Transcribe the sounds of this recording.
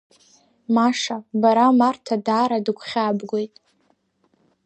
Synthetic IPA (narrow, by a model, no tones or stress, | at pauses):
maʂabaɾamartʰadaːɾadɨkʷʰχʲabɡʷo̞jtʼ